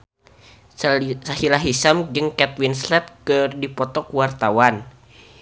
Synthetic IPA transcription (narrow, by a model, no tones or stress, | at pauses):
sahilaɦisamd͡ʒɨŋkɛt̪̚winslɛt̪̚kɨrdipɔt̪ɔkwart̪awan